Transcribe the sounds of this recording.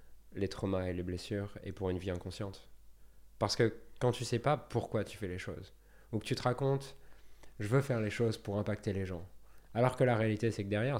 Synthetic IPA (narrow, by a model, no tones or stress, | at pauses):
let̪χɔmaeleblesyːʁḛpuʁynviɛ̃kɔ̃sjɑ̃t̪ | paʁsə̥kəkɑ̃t̪ysɛpapuʁkwat̪y̥fɛleʃo̰z | ukət̪yt̪əʁakɔ̃t̪ | ʒəvøfɛʁleʃozpuʁɛ̃pak̚t̪eleʒɑ̃alɔʁkəlaʁealit̪esɛkəd̪ɛʁjɛʁ